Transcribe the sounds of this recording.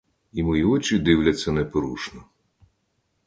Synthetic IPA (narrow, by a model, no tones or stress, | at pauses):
imɔjiɔt͡ʃid̪ɪwlʲɐtʲt͡sʲːɐnɛpɔɾuʃnɔ